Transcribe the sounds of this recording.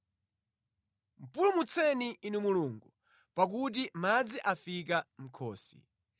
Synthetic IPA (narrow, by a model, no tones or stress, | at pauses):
m̩pulumut͡sʰɛniːnimuluːŋɡu | pak̬ut̬imad͡ziʔafikam̩kʰɔːsḭ